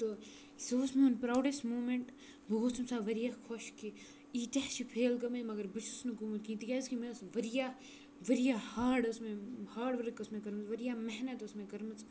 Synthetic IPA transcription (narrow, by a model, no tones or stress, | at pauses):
t̪o | sosmẽʊnpɾaːwɖesʈmuːmẽɳʈ | bʱɐɡosmsaːʋɐɾijaːxʰoʃki | iːt̪ɐɦt͡ʃʰipʰeːlkɐmɐmɐɡɐɾbʊt͡ʃʰʊsnɐkuːmɐt̪kĩːt̪ikʲaːskimẽsʋɐɾijaː | ʋɐɾijahaːɾɖʊsmẽhaːɖʋɐɾkːʊsmẽkɐɾmɐt͡sʋɐɾijaːmɛɦnɐt̪ʊsmẽkɐɾmɐt͡s